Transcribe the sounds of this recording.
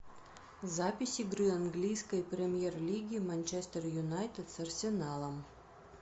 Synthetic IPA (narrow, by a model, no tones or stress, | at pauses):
zapʲɪsʲɪɡɾɨɐnɡlʲijskəjpɾʲemʲjerlʲiɡʲimanʲt͡ʃɛst̪ərjʊnajt̪ɪt̪sɐrsʲɪnalˠəm